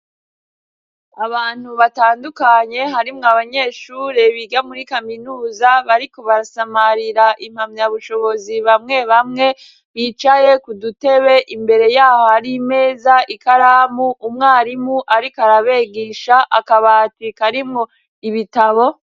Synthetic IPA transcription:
aβaːn̥huβataːndukaɲe̞ɦaɾimŋoaβaɲe̞ːʃuːɾe̞βiɡamuɾikaminuːzaβaɾiko̞βaɾasamaɾiɾaʔim̥hamɲjaβuʃo̞βo̞ziβamŋe̞βamŋe̞ | βit͡ʃaje̞kudute̞βe̞ʔimbe̞ɾe̞jaːhohaɾime̞ːzaʔikaɾamuʔumŋaːɾimuʔaɾikaɾaβe̞ɡiʃaʔakaβatikaɾimŋo | iβitaβo̞

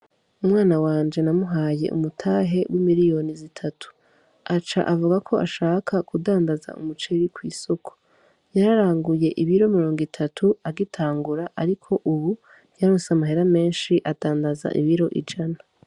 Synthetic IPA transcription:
umŋaːnawaːnd͡ʒe̞namuɦaːje̞̰ʔṵmutʰaːɦe̞wʔimiɾijo̞nizitʰatʰu̥ | at͡ʃa̰ʔavuɡakʰo̞ʔaʃaːkʰakudaːndaza̰ṵmut͡ʃeɾikwiːso̞kʰo̥ | jaɾaɾaːŋɡuje̞ʔiβiɾo̞miɾo̞ːŋɡitʰatʰuaɡitʰaːŋɡuɾaʔaɾikʰo̞ʔuβu | jaɾosamaɦeɾame̞ːnʃiʔad̥aːndaza̰ʔiβiɾo̞ʔḭd͡ʒana

